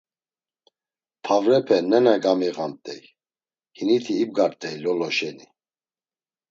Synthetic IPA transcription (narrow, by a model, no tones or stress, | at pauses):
pʰavɾɛpʰɛnɛnaɡamiɣamt̪ʼɛ̰j | hinit̪ʰiːb̚ɡaɾt̪ʼɛjlɔlɔʃɛni